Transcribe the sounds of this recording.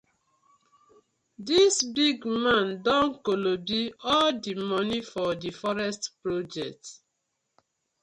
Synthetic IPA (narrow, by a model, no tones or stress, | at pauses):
disbiɡmãndɔ̃nkolobiɔldimɔnifɔdifɔɹɛstpɹod͡ʒɛk̚t